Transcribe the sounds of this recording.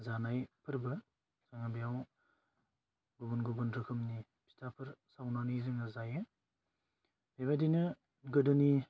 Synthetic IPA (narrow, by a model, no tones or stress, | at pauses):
zanajpʰɯɾbɯ | z̥aŋabijaw | ɡubɯnɡubɯnɾɯkʰɯmni | pʰi̥tʰapʰɯɾsawnanizɯŋazajɯ | deβadinɯ | ɡɯdɯni